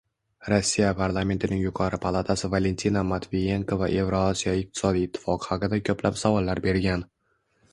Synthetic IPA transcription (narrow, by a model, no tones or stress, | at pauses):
ɾosːijapʰaɾlˠame̞nt̪ʰɪnɪŋjʊqʰɒɾɪpʰalˠat̪ʰasɪvale̞nt̪ʰinamat̪ʰvije̞ŋkʰova̰ʔe̞vɾoɒsijɒɪq̚t̪ʰɪ̥sɒd̪ijːt̪ʰːɪ̥fɒqʰɨ̥haqɨd̪akʲʰɵplapsavɒlːaɾbe̞ɾɡʲan